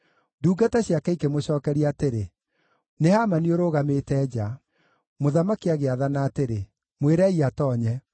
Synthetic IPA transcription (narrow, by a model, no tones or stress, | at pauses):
duːɡataɕjakaikemoɕɔːkɛɾiateɾe | nehamanioɾoːɣametɛd͡ʑa | moðamakiaɣeaðanaːteɾe | mweɾɛiatɔːɲɛ